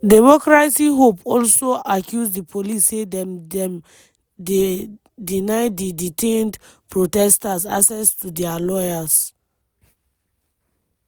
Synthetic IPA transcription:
dɛmɔkɹasiɦopɔlsoakʰjuzdipʰolisːedɛ̃mdɛ̃m | de | dinaɪdiditʰẽndpʰɹotɛstasasɛstʰudɛalɔjaz

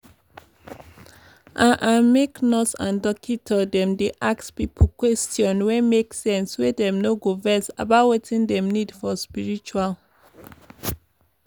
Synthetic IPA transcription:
ʔãnʔãmeknɔsã̰ndɔkʰitʰɔdɛ̃mdeʔakspipʰokwɛstjɔ̃nwɛmeksɛ̃nswedɛ̃mnoɡovɛsa̰batwetĩndɛ̃mnidfɔspiɹit͡ʃual

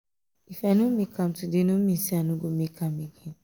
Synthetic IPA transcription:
ifanũmikam̩tudenũmisianuɡomikʰamiɡe

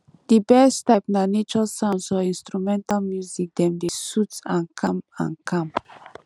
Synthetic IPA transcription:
d̥ibɛstap̚nanet͡ʃɔsãnsɔĩnstɹumɛ̃ntalmjuzik̚dɛ̃mdesutãnkʰãmã̰nkʰãm

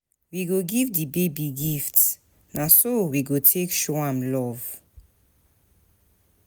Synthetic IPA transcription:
wiɡoɡivdəbebiɡifts | nasowiɡotʰekʃɔãmlɔv

